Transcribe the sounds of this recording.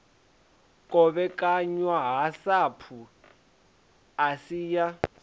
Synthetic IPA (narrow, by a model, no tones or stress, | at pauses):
kʼɔβɛkʼaɲwaɦasapʰu | asiːja